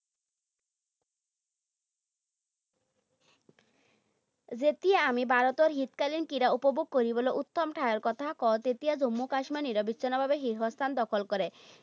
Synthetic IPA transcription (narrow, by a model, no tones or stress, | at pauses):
d͡ʑet̪iaamibʱaɾot̪oɾɦit̪kalinkiɾaupobuɡ̚koɾiboleʔut̪ːomʈʰaeɾkɔt̪ʰakɔt̪et̪ijad͡ʑomːukaʃmaniɾobitːɕʰonabʱabeɦiɾɦɔst̪ʰand̪ɔkʰolkɔɾe